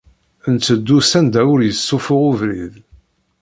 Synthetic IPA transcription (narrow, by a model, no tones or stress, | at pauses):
nt͡sːəd̪ːusænd̪æʊɾjəsːʊfʊʁʊvɾið